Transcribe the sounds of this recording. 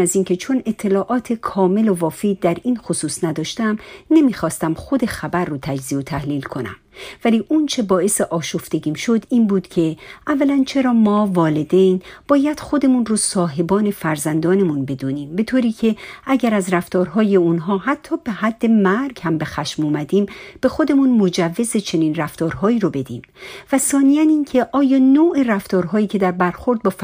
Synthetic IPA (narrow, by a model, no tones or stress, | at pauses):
æziːncʰe̞t͡ʃʰo̞ne̞t̪ʰːe̞lɒːʔɒːt̪ʰe̞kʰɒːme̞lovɒːfid̪̚ːæɾiːnxosuːsnæd̪ɒːʃt̪æmne̞miːxɒːst̪æmχo̞d̪e̞xæbærːot̪ʰæd͡ʒziːot̪ʰæhliːlkʰo̞næ̰mvæliːʔunt͡ʃʰe̞bɒːe̞seʔɒːʃoft̪e̞ɡiːmʃo̞d̪iːnbuːd̪cʲʰe̞ʔævːælænt͡ʃʰe̞ɾɒːmɒːvɒːled̪ejnb̥ɒːjæd̪̥xo̞d̪e̞munrosɒːɦe̞bɒːne̞fæɾzænd̪ɒːne̞munbe̞d̪uːniːmbe̞t̪ʰoːɾiːcʰe̞æɟæɾæzɾæft̪ɒːɾɦɒːje̞unɦɒːɦæt̪ʰːɒːbehæd̪ːe̞mæɾɡ̥hæmbe̞xæʃmuːmæd̪iːmb̥e̞xo̞d̪e̞munmod͡ʒævːe̞ze̞t͡ʃʰe̞niːnræft̪ɒːɾɦɒːiːɾobe̞d̪iːm | væsɒːnijæniːncʰe̞ʔɒːjɒːnoːʔeræft̪ɒːɾɦɒːiːcʰe̞d̪æɾbæɾxo̞ɾd̪̚bɒːf